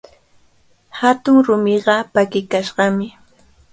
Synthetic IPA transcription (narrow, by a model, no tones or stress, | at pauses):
hat̪ʊŋɾʊmɪɢɑpakɪkaʃɢɑmɪ